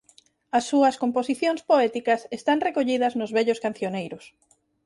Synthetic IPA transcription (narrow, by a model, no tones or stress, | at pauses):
ɐsːuɐskomposiθjoŋspoɛt̪ikɐsest̪aŋrekoʎiðɐznʊzβɛʎʊskan̟θjonejɾʊs